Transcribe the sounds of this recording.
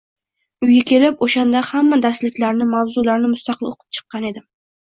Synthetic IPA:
ʊjɡakʲʰe̞lɪpoʃand̪ahamːad̪aɾslɪkʲlaɾnɪmawzʊlaɾnɪmʊst̪ɑqʰɨloqʰɨ̥p̚t͡ʃʰɨ̥qːɑne̞d̪ɪ

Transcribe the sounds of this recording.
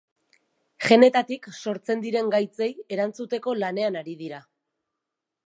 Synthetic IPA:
ʝe̞ne̞t̪at̪ikso̞ɾt͡se̞nd̪iɾe̞ŋɡajt͡se̞je̞ɾant͡sut̪e̞ko̞lane̞anaɾiðiɾa

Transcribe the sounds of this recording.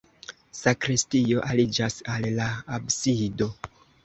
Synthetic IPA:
sakɾistio̞ʔalid͡ʒasalːaabsido̞

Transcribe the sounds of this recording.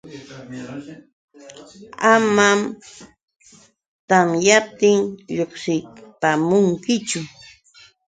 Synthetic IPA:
amam | t̪amjap̚t̪ɪŋʎoχsɪpamʊŋkɪt͡ʃʊ

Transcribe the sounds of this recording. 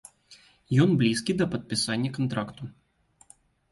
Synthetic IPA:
jɔnblʲiskʲid̪ɐpət̪̚pʲɪsanʲːəkɐnt̪ɾakt̪ʊ

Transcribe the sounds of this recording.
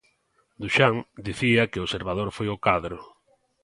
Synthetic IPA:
d̪uʃaŋd̪iθiɐkɪoseɾβað̞oɾfojokaðɾo

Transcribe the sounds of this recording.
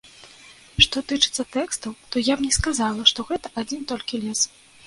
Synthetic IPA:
ʂt̪ɔt̪ɨt͡ʂɨt̪sːɐt̪ɛkst̪ɐwt̪ɔjabnʲɛskazalˠɐʂt̪ɔɣɛt̪ɐʔad͡zʲint̪ɔlʲkʲilʲɛs

